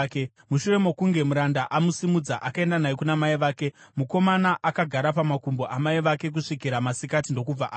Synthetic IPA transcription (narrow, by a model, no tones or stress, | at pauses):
ke | muʃure̞mokuŋɡe̞muɾandaʔamusimud͡zaʔakae̞ndanajekunamaiʋaːke̞muko̞manaʔakaɡʱaɾapamakumbo̞ʔamaiʋake̞k̬uʂik̬iɾamasikat̬indo̞kub͡vaʔː